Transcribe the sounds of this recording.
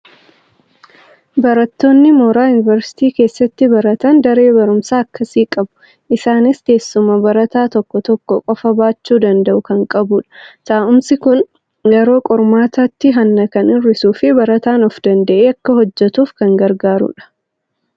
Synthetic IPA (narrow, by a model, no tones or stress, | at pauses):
bɐɾɐt̪ːo̞ːnːɪmoːɾaːjʊnɪvɛɾsɪ̥t̪iːke̞ːsːɐt̪ːɪbɐɾɐt̪ɐnd̪ɐɾe̞ːbɐɾʊmsaːɐkːɐsiːkʼɐbʊ̥ | ʔɪsaːnɪst̪e̞ːsːʊmɐbɐɾɐt̪aːt̪ɔkːɔt̪ɔkːɔkʼɔfɐbaːt͡ʃːuːd̪ɐnd̪ɐʔʊkɐŋkʼɐbʊːᶑɐ̥saːʔʊmsɪkʊn | jɛɾo̞ːkʼɔɾmaːt̪at̪ːɪɦɐnːɐkɐnɪrːɪsuːfɪbɐɾɐt̪aːnɔfd̪ɐnd̪ɐʔeːɐkːɐhɔd͡ʒːɛt̪uːfkɐŋɡɐɾɡaːɾṵᶑɐ̥